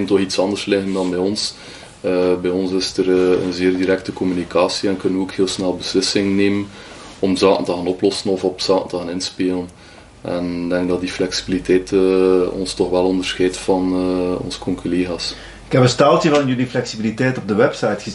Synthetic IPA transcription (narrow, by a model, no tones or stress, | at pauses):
ɪntɔxitsɑndərslɪɣəndɑnbɛːjɔns | əbɛjɔnsɪstərə̰nzeːrdiɾɛk̚təkɔmynikʰaːsiɛnkɵnənoːkheːlˠsnɛlˠbəslɪsɪŋneːmən | ɔmzaːkəntəɣaːnɔplɔsənɔfɔpsaːkəntəɣaːnɪnspeːlən | ʔɛ̰nɪɡdɛŋɡ̚dɑt̚diflɛksi̥bilitɛːtəɔ̰nstɔxʋɛlˠɔndərsxɛːtfɑnɔ̰nzə̥kɔŋkoleːɣaːs | ɪkɛpə̃nstaːlˠtəvɑnjyliflɛksibilitɛjtɔb̚dəwɛpsɑjtxə